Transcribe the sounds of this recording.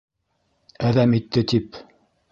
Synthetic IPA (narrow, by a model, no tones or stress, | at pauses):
æðæmit̪ːɘt̪ip